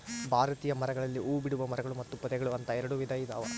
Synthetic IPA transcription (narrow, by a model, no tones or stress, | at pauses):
bʱaːɾɐt̪iːjɐmɐɾɐɡɐɭɐlːiʔuːbiɽuʋɐmɐɾɐɡɐɭumɐt̪ːupɐd̪ɛɡɐɭuɐnt̪ɐɛɾɐɽuʋid̪ʱɐjid̪ɐ̰ʋɐ̰